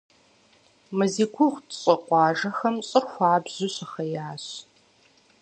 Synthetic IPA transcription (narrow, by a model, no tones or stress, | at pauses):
mɐzikʷʰʊʁtʰɕʼɐqʷʼɑːʒɐxɐmɕʼɨrxʷɑːbz̥ʊɕɐxɐjaːɕ